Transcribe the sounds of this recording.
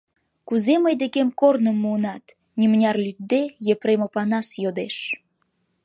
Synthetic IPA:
kuzeməjd̪ekemkornəmːuənɑt̪ | nʲimnʲɑrlʲyt̪̚d̪ejepɾemopɑnɑsjod̪eʃ

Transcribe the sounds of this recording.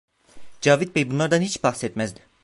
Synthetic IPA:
d͡ʒɑːvid̪̚bejbunlˠɑɾd̪ɑnhit͡ʃbɑχset̪mæzd̪i

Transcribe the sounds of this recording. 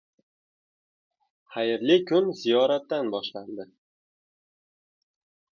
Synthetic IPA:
χajɪɾlɪkʰʊnzijɒɾat̪ːanbɒʃland̪ɪ

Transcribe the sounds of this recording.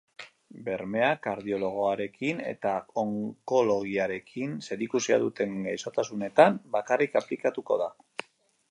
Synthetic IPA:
be̞ɾme̞akaɾðio̞lo̞ɣ̞o̞aɾe̞kʰine̞̰t̪aoŋko̞lo̞ɣ̞iaɾe̞kʰinse̞ɾikusia̰ðut̪e̞ŋɡajso̞t̪asune̞t̪ambakarikaplikat̪uko̞̰ða

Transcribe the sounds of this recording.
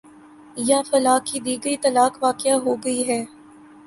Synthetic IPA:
jafɐlaːkːid̪iːɡɐit̪ɐlaːkʋaːkɪaɦoːɡɐiɦɛː

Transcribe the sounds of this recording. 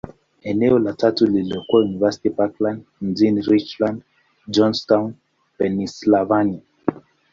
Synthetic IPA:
eneolatatulilokwajunivɛsi̥tipaklãndnzinɾit͡ʃlãnd | d͡ʒɔ̃nstãwn | pɛnislavani

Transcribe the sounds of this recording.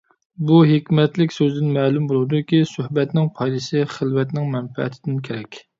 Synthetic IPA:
buɦekʲmɛt̪lɪkʲsøzd̪ɪnmɛːlˠumbolˠud̪ʊkʲisøhbɛt̪nɪŋpʰɑjd̪ɨsɪχəlwɛt̪nɪŋmɛnfɛ̰ʔɛ̰t̪ʰɪd̪ɪnkʲʰeɾɛkʲ

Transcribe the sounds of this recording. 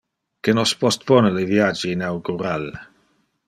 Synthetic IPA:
kenospɔst̪̚pɔneleviad͡ʒiːnawɡuɾal

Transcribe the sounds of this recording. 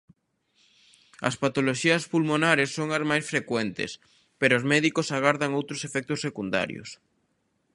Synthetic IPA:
ɐ̰spat̪oloʃiɐspulmonaɾesːoŋɐzmajsfɾekwɛnt̪ḛs | peɾoːzmɛðikosaɣ̞aɾðaŋowt̪ɾosefɛk̚t̪osːekund̪a̰ɾjo̰s

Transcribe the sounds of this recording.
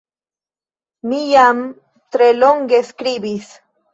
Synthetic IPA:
mijam | t̪ɾeloŋɡeskɾibis

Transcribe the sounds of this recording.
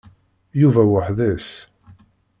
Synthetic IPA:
juvæwəħðæs

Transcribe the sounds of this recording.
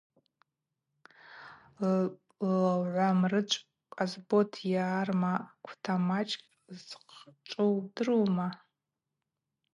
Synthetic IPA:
lʕʷamrɨt͡ʃʷʼ | kʼazbotʰjaːrmakʷʰtʰamat͡ʃʼkʼ | zqʰt͡ʃʷʼowdɨrowma

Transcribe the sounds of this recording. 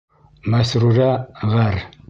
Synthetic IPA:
masɾuɾaɣaɾ

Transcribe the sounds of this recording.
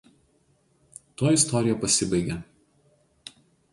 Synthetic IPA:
t̪oːjɪst̪ɔɾʲɪjɛˑpɐsʲɪbɐɪɡʲɛ

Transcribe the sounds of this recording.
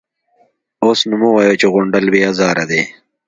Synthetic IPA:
oːsnumũwajoːt͡ʃeɣʊɳɖəlbiːazaːɾɐd̪eː

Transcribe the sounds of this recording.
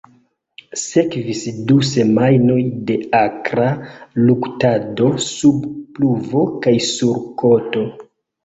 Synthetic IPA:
se̞kvisduse̞majno̞jde̞akɾaluktado̞subpluvo̞kajsuɾko̞to̞

